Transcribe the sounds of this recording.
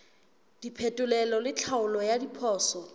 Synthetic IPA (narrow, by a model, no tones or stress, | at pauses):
d̥ipʰɛtʼʊlɛlɔlɪt͡ɬʰaʊlɔjadipʰɔːsɔ